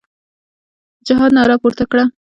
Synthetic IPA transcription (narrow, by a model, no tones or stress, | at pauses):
d͡ʒaɦɑd̪nɑɾɑpoɾt̪akɽa